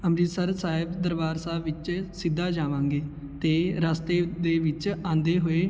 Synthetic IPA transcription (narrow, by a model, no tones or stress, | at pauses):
əmɾiːsəɾsaːɦɪbd̪əɾʋaːɾsaːʋɪt͡ʃsɪd̪ːaːd͡ʒaːʋãːŋɡeː | t̪eːɾaːst̪eːd̪eːʋɪt͡ʃãːnd̪eːɦoeː